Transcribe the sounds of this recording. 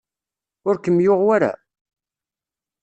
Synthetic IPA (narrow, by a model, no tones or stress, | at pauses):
ʊɾkəmːjʊʁwaɾa̰